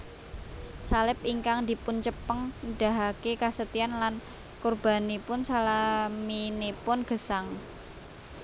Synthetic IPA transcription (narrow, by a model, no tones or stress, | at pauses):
salɪpiŋkaŋd̪i̤pʊnt͡ʃəpəŋɖ̥a̤ɦakekasət̪ianlan | kurb̥a̤nipʊnsalaminepʊnɡ̥ə̤saŋ